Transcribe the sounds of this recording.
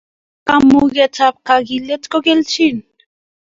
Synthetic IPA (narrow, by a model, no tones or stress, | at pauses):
kamuɣet͡sap̚kakilet͡s̪kokelt͡ʃin